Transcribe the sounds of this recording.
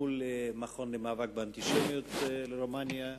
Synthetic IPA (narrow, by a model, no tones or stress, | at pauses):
ulemaχo̞nlemaːvak̚beant̪iʃemjot̪leɾomanja